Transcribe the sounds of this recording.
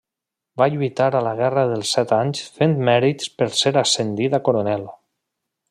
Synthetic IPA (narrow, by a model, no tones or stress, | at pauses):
baʎuit̪aɾələɣ̞ɛrəðəlˠsɛt̪aɲsfent̪mɛɾit̪spəɾseɾasend̪it̪akoɾonɛlˠ